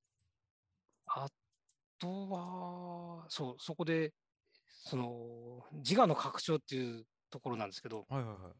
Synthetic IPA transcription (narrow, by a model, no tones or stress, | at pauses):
a | t̪oβa | so̞ːso̞ko̞d̪e̞ | so̞no̞d͡ʑiɡano̞kʰakɯ̟̥ɕo̞ːt̪ːe̞jiɯ̟ː | t̪o̞ko̞ɾo̞nãnd̪eske̞d̪o̞hajhahaj